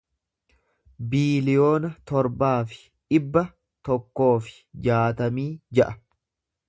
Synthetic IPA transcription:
biːlɪjo̞ːnɐt̪ɔɾbaːfɪ̥ | ᶑɪbːɐ | t̪ɔkːo̞ːfɪ̥ | d͡ʒaːt̪ɐmiːd͡ʒɐʔɐ

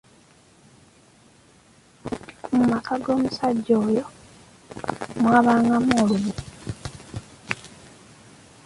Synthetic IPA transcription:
mumakaɡo̞ːmusaɟːoːjo̞ | mwaːβaːŋɡamoːluβu

